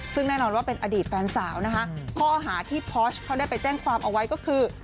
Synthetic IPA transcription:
sɯ˥˩ŋnɛː˥˩nɔː˧nwaː˥˩pe˧nʔa˧diː˨˩t̪̚fɛː˧nsaː˩˦wna˦˥kʰa˦˥kʰɔː˥˩ɦaː˩˦t̪ʰiː˥˩pʰɔː˦˥skʰːa˦˥wda˥˩jpa˧jt͡ɕɛː˥˩ŋkʰwaː˧mʔa˧wa˦˥jkɔː˥˩kʰɯː˧

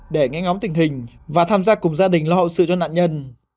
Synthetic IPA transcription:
ɗe˧˩ŋɛ̰˨˦˥ŋɔ˨˦mt̪ï˨˩ŋ̟ɦï˨˩ŋ̟ | vaː˨˩t̪ʰaː˧mzaː˧kʊ˨˩ŋ͡mzaː˧ɗï˨˩ŋ̟lɔ˧hə̰˧˨wsɨ̰˧˨t͡ɕɔ˧na̰ː˧˨nɲə˧n

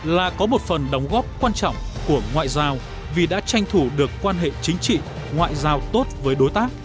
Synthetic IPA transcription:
laː˨˩kɔ˨˦mo˨˩t̚fə˨˩nɗə˨˦wŋ͡mɣɔ˦˥p̚kwaː˧nt͡ɕɔ̰˧˨wŋ͡mku˧˩əŋwa̰ː˧˨jzaː˧w | vi˨˩ɗa̰ː˧˥t͡ɕa˧jŋ̟t̪ʰu˧˩ɗɨ˨˩əkːwaː˧nɦḛ˧˨t͡ɕï˨˦ŋ̟t͡ɕḭ˧˨ | ŋwa̰ː˧˨jzaː˧wt̪o˦˥t̚vəː˨˦jɗo˨˦jt̪aː˦˥k̚

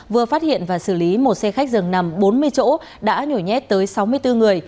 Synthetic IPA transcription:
vɨ˨˩əfaː˦˥t̚hḭ˧˨ənvaː˨˩sɨ˧˩li˨˦mo˨˩t̚sɛ˧xa˦˥k̟̚zɨ˨˩ŋna˨˩mɓo˨˦nmɨ˧əjt͡ɕo̰˧˥ | ɗa̰ː˧˥ɲo˧˩jɲɛ̰˦˥t̚t̪əː˨˦jsa˨˦wmɨ˧əjt̪ɨ˧ŋɨ˨˩əj

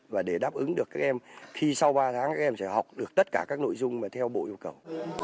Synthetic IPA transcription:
vaː˨˩ɗe˧˩ɗaː˦˥p̚ʔɨ˨˦ŋɗɨ˨˩əkːaː˦˥k̚ʔɛ˧mxi˧sa˧wɓaː˧t̪ʰaː˨˦ŋkaː˦˥k̚ʔɛ˧msɛ̰˧˥ha˨˩wk͡p̚ɗɨ˨ək̚t̪ə˦˥t̚kaː˧˩kaː˦˥k̚no̰˧˥˨jzʊ˧ŋ͡mmaː˨˩t̪ʰɛ˧wɓo̰˧˨ʔi˧əwkə˨˩w

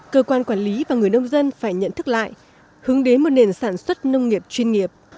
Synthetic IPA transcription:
kəː˧kwaː˧nkwaː˧˩nli˨˦vaː˨˩ŋɨ˨˩əjnə˧wŋ͡mzə˧nfaː˧˩jɲə̰˧˨nt̪ʰɨ˦˥k̚la̰ː˧˨j | hɨ˨˦əŋɗe˨˦nmo˨˩t̚ne˨˩nsaː˧˩nswə˦˥t̚nə˧wŋ͡mŋi˨˩əp̚t͡ɕwi˧ənŋi˨˩əp̚

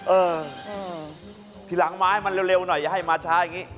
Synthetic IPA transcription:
ʔɤː˧ | t̪ʰiː˨˦la˩˦ŋmaː˦˥ha˥˩jma˧nɾe˧wɾe˧wnɔ˨˩jːa˨˩ɦa˥˩jmaː˧t͡ɕʰaː˦˥ja˨˩ŋiː˦˥

